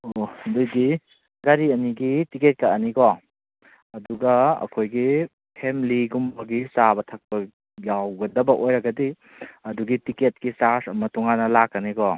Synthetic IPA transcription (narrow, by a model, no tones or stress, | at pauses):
odujɡi | ɡaɾiɐniɡitiket̚kɐɐnikɔ | ɐduɡɐɐ̰kʰojɡi | pʰemiliɡumbɐɡisabɐtʰɐk̚pɐ | jawɡɐdɐbɐʔojɾɐɡɐdi | ɐduɡitiket̚kisasɐmɐtuŋanɐlakːɐnikɔ